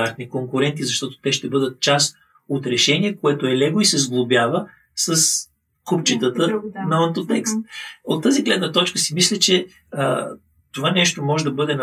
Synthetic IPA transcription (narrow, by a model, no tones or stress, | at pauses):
aɾt̪nikoŋkʊɾɛnt̪izɐʃt̪ɔt̪o̥t̪ɛʃt̪ɛbɤd̪ət̪̚t͡ʃast̪ | ot̪ɾɛʃɛnʲiɛkoɛt̪oɛlɛɡoisɛzɡlˠʊbʲjavə | səs | kupt͡ʃit̪ət̪ənɐɐnt̪ot̪ɛkst̪̚ot̪ːaziɡlɛd̪nət̪ɔt͡ʃkəsimislʲɛt͡ʃɛ | ə | t̪ovanɛʃt̪omɔʒɛd̪ɐbɤd̪ɛn